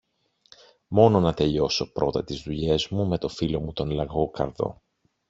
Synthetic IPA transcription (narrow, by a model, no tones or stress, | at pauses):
mo̞no̞nɐt̪e̞ʎo̞so̞pɾʔo̞t̪ɐt̪izðuʎe̞zmume̞t̪o̞filo̞mut̪o̞nlɐɣo̞kɐ̰ɾðo̞̰